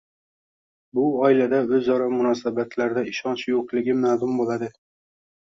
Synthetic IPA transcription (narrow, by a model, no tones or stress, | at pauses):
bʊɒɪlad̪aɵzɒɾɒmʊnɒsabat̪laɾɪd̪aɪʃɒnt͡ʃjoqlˠɪɡʲɪmad̪ʊmbolˠad̪ɪ